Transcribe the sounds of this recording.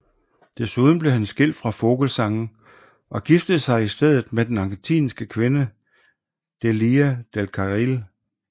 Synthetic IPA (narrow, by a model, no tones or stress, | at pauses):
d̥esuð̞ˠn̩b̥le̝hænsɡ̥el̰̥fʁɑ̈fo̝ɡ̥lsɑ̈ŋn̩ | ʔɒ̽ɡ̥ifd̥əð̩ˠsɑ̈ɪisd̥eð̞̰ˠð̩ˠmed̥enɑ̈ŋɡ̥ent͡sʰḭːnsɡ̥əkʰʋe̝nə | d̥eliːæd̥elkʰɑʁil